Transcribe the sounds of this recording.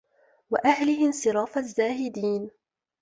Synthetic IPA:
waʔahlɪhɪmsɨɾˤɑːfazːaːhɪd̪iːn

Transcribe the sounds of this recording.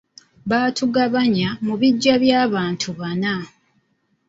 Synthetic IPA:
βaːtʰuɡaβaɲamuβiɟːaβjaːβaːntʰuβana

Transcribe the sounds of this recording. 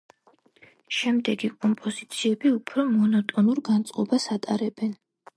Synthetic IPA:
ʃɛmd̪ɛɡikʼɔmpʼɔzit̪sʰiɛbiupʰɾɔmɔnɔt̪ʼɔnuɾɡant̪sʼqʼɔbasat̪ʼaɾɛbɛn

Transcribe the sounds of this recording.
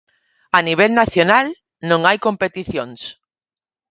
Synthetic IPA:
aniβ̞elnaθjonal | nõŋajkõ̞mpe̞t̪iθjõns

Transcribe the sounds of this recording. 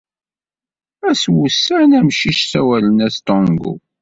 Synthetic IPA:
æswusːənæmʃiʃsæwælənæst̪ɔŋɡṵ

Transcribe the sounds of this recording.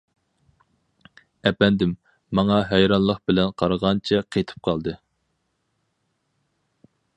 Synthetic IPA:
ɛpɛnd̪ɪmː | ɑŋɑɦɛjɾɑnlˠəq̚bɪlɛnqʰɑɾʁɑnt͡ʃʰɛqʰet̪ʰɨ̥p̚qʰɑlˠd̪ɨ

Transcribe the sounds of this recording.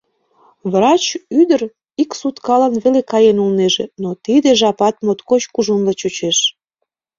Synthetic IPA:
βrɑt͡ɕyd̪əɾ | iksut̪kɑlənβelekɑjenulneʒenot̪id̪eʒɑpɑt̪mot̪kot͡ɕkuʒunlət͡ɕut͡ɕeʃ

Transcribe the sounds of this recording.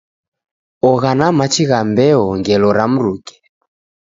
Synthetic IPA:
ɔɣanamat͡ʃiɣambɛɔŋɡɛlɔɾam̩ɾukɛ̥

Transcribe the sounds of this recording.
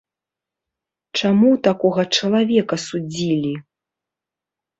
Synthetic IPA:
t͡ʂamut̪akɔɣɐt͡ʂɐlˠavʲɛkɐsud͡zʲilʲi

